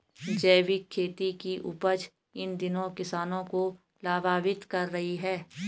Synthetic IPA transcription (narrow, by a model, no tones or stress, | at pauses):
d͡ʒɛːʋɪkʰːeːt̪ikiʔʊ̰pəd͡ʒ | ɪnd̪ɪnõkɪsaːnõko | laːbaːʋɪt̪kɐɾːɐɦiɦɛː